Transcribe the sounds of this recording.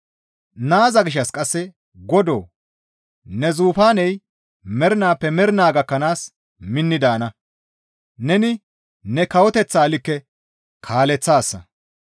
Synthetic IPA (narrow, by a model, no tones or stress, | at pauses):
naːzɐɡɪʃ̬ːɐskʼɐsːɛ | ɡɔd̪o̰ː | nɛzuːfaːnɛj | mɛɾɪnaːpːɛmɛɾɪnaːɡɐkːɐnaːs | mɪnːɪd̪aːnɐ | nɛnɪ | nɛkɐwɔt̪ɛt͡sːaːlɪkːɛ | kʰaːlɛt͡sːaːsːɐ̰